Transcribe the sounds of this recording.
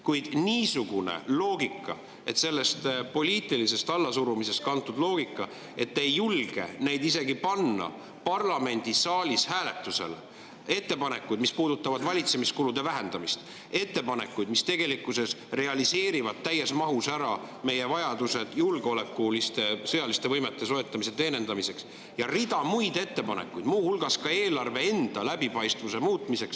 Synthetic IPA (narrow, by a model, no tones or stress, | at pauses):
kujd̪̥niːsuɡ̥unḛlo̞ːɡ̥ikːˑɑ̰ | e̞t̪se̞lːe̞st̪po̞lʲiːt̪ˑilise̞st̪ɑlːɑsuɾumise̞st̪̚kɑnt̪ːˑud̪lo̞ːɡ̥ikːˑɑ | e̞t̪ːe̞jːulɡ̥e̞̰nejd̪ise̞ɡipɑnːɑ̰ | pɑrlɑme̞nʲd̪̥isɑːlʲishæːle̞t̪ːˑuse̞̰l | e̞t̪ːe̞pɑne̞kːˑujd̪mispuːd̪ut̪ːˑɑvɑd̪vɑlʲit̪se̞miskulud̪̥e̞væɦe̞nd̪̥ɑmist̪ | e̞t̪ːe̞pɑne̞kːˑujd̪̥mist̪e̞ɡ̥e̞likːˑuse̞sre̞ɑlise̞ːɾivɑd̪̥̚t̪ːæjːesmɑɦusæɾɑ | me̞je̞vɑjɑd̪̥use̞d̪̥julɡeo̞le̞kːulist̪e̞sɤjɑlist̪e̞vɤjmet̪ːˑe̞so̞e̞t̪ˑːɑmis̬e̞t̪e̞ːne̞nd̪̥ɑmise̞ks | jɑrid̪̥ɑmujd̪̥e̞t̪ːe̞pɑne̞̰kːˑujd̪̥muːhulɡ̥ɑskɑe̞ːlɑrve̞end̪̥ɑlæbipɑjst̪vuse̞muːt̪ˑmise̞ks